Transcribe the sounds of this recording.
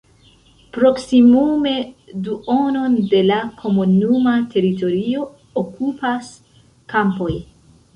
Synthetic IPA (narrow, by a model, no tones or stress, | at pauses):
pɾo̞ksimume̞duo̞no̞nde̞lakʰo̞munumatʰe̞ɾito̞ɾio̞ː | kupas | kampo̞j